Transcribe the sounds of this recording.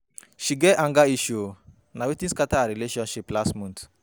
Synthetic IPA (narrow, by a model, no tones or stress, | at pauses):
ʃiɡɛʔãŋɡaiʃo | nawitĩskataɾileʃɔ̃nʃiplasmũnt